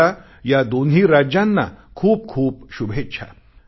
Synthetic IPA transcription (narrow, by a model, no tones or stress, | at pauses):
a | jad̪onɦiːɾad͡ʑjãnːa̰kʰuːp̚kʰuːpɕubʱett͡ɕʰa̰